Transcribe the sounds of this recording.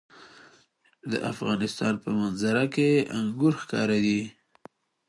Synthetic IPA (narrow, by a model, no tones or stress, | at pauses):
d̪ə̰ʔafɣɑnɪst̪ɑnpəmanzaɾakeʔaŋɡuɾxkɑ̰ɾad̪i